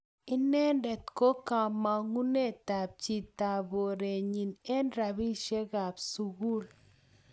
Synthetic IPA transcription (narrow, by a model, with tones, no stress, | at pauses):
ɪ˦nɛ˦ndɛ˨tko˦ka˨ma˨ŋu˦ne˦˨ta˨b̚t͡ʃi˨ta˨bo˨ɾe˨ɲi˨ne˦nɾa˨bi˦ʃe˦ɡa˨bsu˨ɡu˦˨l